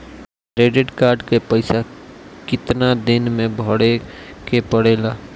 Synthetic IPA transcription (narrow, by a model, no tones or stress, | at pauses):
ɾeːɖeʈkaːɾɖkepəɪsakɪt̪nad̪ɪnmẽbʱɔɽekepəɽeːlaː